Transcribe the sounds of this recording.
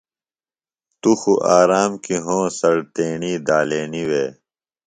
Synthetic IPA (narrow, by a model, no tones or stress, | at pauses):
t̪uxuʔaːɾaːmkiɦõːsɐɽt̪eːɳiːd̪aːleːniweː